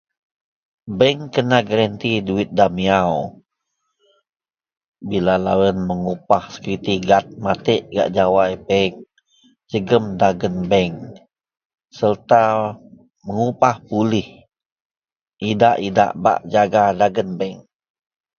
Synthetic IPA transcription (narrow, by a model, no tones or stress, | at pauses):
bɛŋkənaɡəɾənt̪iduɪt̪̚damiaw | bilalawənməŋupahsə̥kɾit̪iɡat̪̚mat̪əʔɡa̰ʔd͡ʒawajpɛŋ | d͡ʒəɡəmdaɡənbɛŋ | sərt̪a | məŋupahpulɪh | ʔidaʔida̰ʔba̰ʔd͡ʒaɡadaɡənbɛŋ